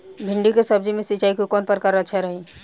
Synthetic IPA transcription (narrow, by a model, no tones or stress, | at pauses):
bʱiɳɖikesəbd͡ʒimesit͡ʃaikokɔnpəɾkəɾət͡ʃʰɛɾəɦi